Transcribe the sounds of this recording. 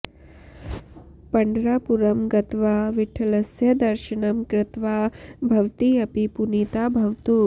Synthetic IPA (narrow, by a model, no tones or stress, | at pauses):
pɐɳɖɾaːpuɾɐmɡɐt̪ʋaːʋiʈʰɐlɐsjɐd̪ɐɾʃɐɳɐmkɾɪt̪ʋaːbʱɐʋt̪iɐpipunit̪aːbʱɐʋt̪u